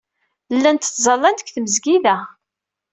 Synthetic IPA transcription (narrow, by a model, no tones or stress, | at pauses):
lːænt̪θzˤɑlːɑnd̪ə̥kʷːθmzɡiðæ